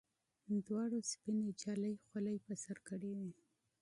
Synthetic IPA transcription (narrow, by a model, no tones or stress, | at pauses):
d̪wɑɽospined͡ʒɑləjxaləjpəsaɾkəɽewi